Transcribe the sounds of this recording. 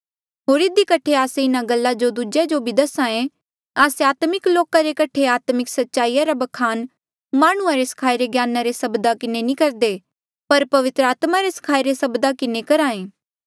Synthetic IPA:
ɦoːɾɪd̪ikɐʈʰeaːseɪnaɡɐlːad͡ʒod̪ud͡ʒed͡ʒobʱid̪ɐsãẽ | aːseaːt̪mɪkloːkaɾekɐʈʰeaːt̪mɪksɐtːʃaːiːjaɾabɐkʰaːn | maːɽ̃ũãɾesɐ̥kʰaːiɾeɡjaːnaɾesɐbd̪akɪnenĩkɐɾd̪eː | pɐɾpɐʋɪt̪ɾəaːt̪maɾesɐ̥kʰaːiɾesɐbd̪akɪnekɐɾaːẽː

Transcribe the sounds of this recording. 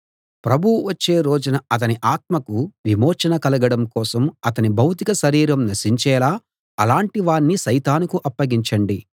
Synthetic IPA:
pɾɐbʱuwuʋɐt͡ʃːe̞ːɾo̞ːd͡ʒunɐɐt̪ɐniʔaːt̪̚mɐkuʋimoːt͡ʃɐnɐkɐlɐɡɐɽɐmkɔːsɐmɐt̪ɐnibʱɐwt̪ikɐʃɐɾiːɾɐmnɐɾʃiɲt͡ʃɛːlaː | ɐlaːɳʈiʋaːɳːiʃɐjt̪aːnukuʔɐpːɐɡiɲt͡ʃɐɳɖi

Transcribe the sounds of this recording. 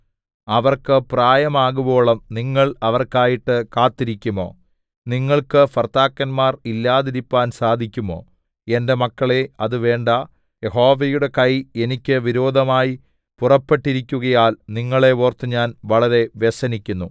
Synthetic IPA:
ɐʋɐrkɨpraːjɐmaːɣubo̞ːɭɐmniŋːɐɭɐʋɐrkaːjiʈːɨkaːt̪ːiɾikʲːumo̞̰ː | niŋːɐɭkɨfɐrt̪aːkːɐnmaːrilːaːðiɾipːaːnsaːd̪ʱikʲːumo̞̰ː | e̞nde̞mɐkːɐɭe̞ɐðɨʋe̞ːɳɖɐ | je̞ɦo̞ːʋejuɽe̞kɐje̞nikʲːɨʋiɾo̞ːd̪ʱɐmaːji | purɐpːe̞ʈːiɾikʲːuɣɐjaːlniŋːɐɭe̞oːrt̪ɨɲaːnʋɐɭɐɾe̞ʋesɐnikʲːunːu

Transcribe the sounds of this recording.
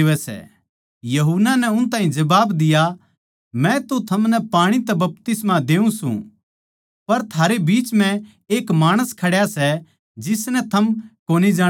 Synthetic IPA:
ʋɛsɛ̰ | jɐɦunːanɛʊnt̪ãːɦĩd͡ʒɐbaːbd̪ɪja | mɛ̃t̪ot̪ʰɐmnɛpaːɽ̃it̪ɛbɐp̚t̪ɪsmad̪eːũsṵ̃ | pɐɾt̪ʰaːɾebiːt͡ʃmɛ̃ | eːkmaːɽ̃əskʰɐɽjasɛ | d͡ʒɪsnɛt̪ʰɐmkoːnid͡ʒaː

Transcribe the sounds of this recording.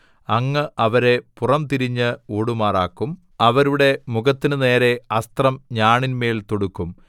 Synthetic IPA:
ɐŋːɨʔɐʋɐɾe̞purɐmt̪iɾiɲːɨoːɽumaːraːkːum | ɐʋɐɾuɽe̞muɣɐt̪ːinɨne̞ːɾe̞ɐst̪rɐmɲaːɳinme̞ːlt̪oɽukːum

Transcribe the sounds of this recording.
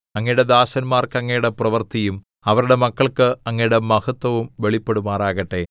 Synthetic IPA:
ɐŋːɐjuɽe̞d̪aːɕɐnmaːrkɐŋːɐjuɽe̞prɐʋɐrt̪ijum | ɐʋɐɾuɽe̞mɐkːɐɭkɨɐŋːɐjuɽemɐhɐt̪ːʋɐʋumʋe̞ɭipːe̞ɽumaːraːɣɐʈːe̞

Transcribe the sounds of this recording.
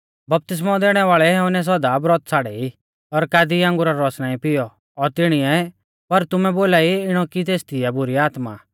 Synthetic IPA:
bɐp̚t̪ɪs̬mɔd̪eːɽ̃ɛʋaːɭɛɦɛʊnɛs̬ɔd̪abɾɔt̪t͡sʰaːɽɛi | ɔɾkaːd̪iãːŋɡʊɾaɾɔsnaːĩpɪjɔ | ɔɾt̪ɪɽ̃iɛ | pɐɾt̪ʊmɛboːlaːiɪɽ̃ɔkit̪eːst̪ʰɪɛbʊɾiaːt̪ma̰

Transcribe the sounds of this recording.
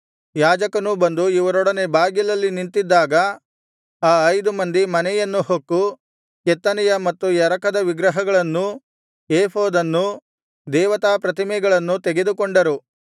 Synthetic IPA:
jaːd͡ʒɐkɐnubɐnd̪uiʋɐɾɔɽɐne̞baːɡjilɐlːinint̪id̪ːaːɡɐ | aːɐjd̪umɐnd̪imɐnɛjɐnːuhokːu | kɛt̪ːɐnɛjɐmɐt̪ːujɛɾɐkɐd̪ɐʋiɡɾɐɦɐɡɐɭɐnːu | jeːpʰoːd̪ɐnːu | d̪ɛːʋɐt̪aːpɾɐt̪imɛɡɐɭɐnːut̪eɡe̞d̪ukoɳɖɐɾu

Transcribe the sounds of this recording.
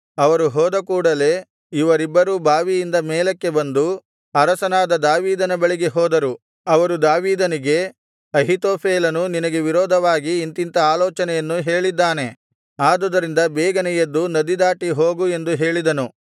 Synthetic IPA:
ɐʋɐɾuɦɔːd̪ɐkuːɽɐle̞ː | iʋɐɾibːɐɾubʱaːʋijind̪ɐmeːlɐkːe̞bɐnd̪u | ɐɾɐsɐnaːd̪ɐd̪aːʋiːd̪ɐnɐbɐɭiɡeɦɔːd̪ɐɾu | ɐʋɐɾud̪aːʋiːd̪ɐniɡe̞ | ɐɦit̪oːpʰeːlɐnuninɐɡe̞ʋiɾɔːd̪ʱɐʋaːɡiːnt̪int̪ɐaːlɔːt͡ʃɐnɛjɐnːuɦe̞ːɭid̪ːaːne̞ | aːd̪ɔd̪ɐɾind̪ɐbɛːɡɐnɛjɐd̪ːunɐd̪id̪aːʈiɦoːɡue̞nd̪uɦe̞ːɭid̪ɐnu

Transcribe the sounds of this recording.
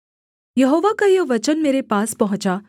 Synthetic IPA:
jɐɦoːʋakajoʋɐt͡ʃənmeːɾepaːspɐɦʊ̃t͡ʃa

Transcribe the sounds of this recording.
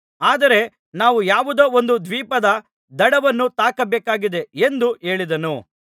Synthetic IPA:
aːd̪ɐɾe̞ | naːʋujaːʋud̪oːond̪ud̪ʋiːpɐd̪ɐ | d̪ɐɽɐʋɐnːut̪aːkɐbeːkaːɡid̪e̞end̪ue̞ːɭid̪ɐnu

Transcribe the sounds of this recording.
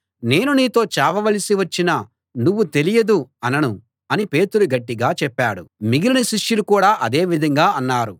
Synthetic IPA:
ne̞ːnuniːt̪o̞ːt͡ʃɛːʋɐʋɐlisiʋɐt͡ʃːinɐ | nuʋːut̪e̞lijɐd̪uɐnɐnu | ɐnipe̞ːt̪uluɡɐʈːiɡaːt͡ʃɛpːaːɽumiɡilɐnɐsiʂjulukuːɽaːʔɐd̪e̞ːʋid̪ʱɐŋɡaːɐnːaːɾu

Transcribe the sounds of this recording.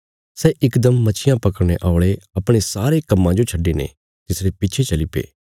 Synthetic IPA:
sɛːʔɪkd̪əmːɐt͡ʃʰɪjãpɐkəɾɽ̃ḛʔaːʊɭeɐpɽ̃esaːɾekɐmːãd͡ʒot͡ʃʰɐɖːenḛ | t̪ɪsɾepɪːt͡ʃʰet͡ʃɐlɪpḛː

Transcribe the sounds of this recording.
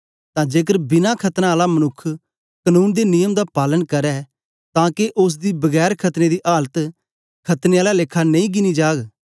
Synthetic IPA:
t̪ãːd͡ʒeːk̬əɾbɪnakʰɐt̪nãaːlamɐnʊkʰː | kənũːnd̪enɪjəmd̪apaːlənkɐɾɛː | t̪ãːkeʔʊs̬d̪iːbɐɡɛːɾkʰɐt̪ned̪iʔaːlət̪ | kʰɐt̪neaːlalekʰːanɐ̃ĩːɡɪnid͡ʒaːɡ

